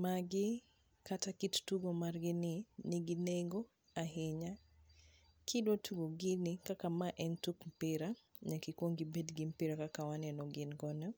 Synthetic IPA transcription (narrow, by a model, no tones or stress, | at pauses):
maɡɪ | kʰatakittuɡomarɡɪnɪnɪɡineŋɡɔ | aɦɪɲa | kʰidwotʰuɡoɡɪnɪkakamaʔɛntukm̩pɪɾa | ɲakikwoŋɡibɛdɡɪm̩pɪɾakakawanɛnɔɡɪnɡɔnɔ